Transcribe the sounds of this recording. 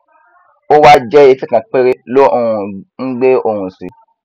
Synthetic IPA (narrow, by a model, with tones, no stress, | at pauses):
o˦wa˦d͡ʒɛ˦e˧˦ti˦kã˨k͡pe˦ɾe˦lo˦o˨hũ˧ŋ̩˦ɡ͡be˦o˧˨hũ˨sḭ˨˦